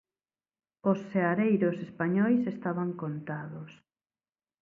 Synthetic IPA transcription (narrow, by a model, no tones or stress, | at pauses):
osːeaɾejɾosespaɲɔjsest̪aβaŋkont̪aðʊs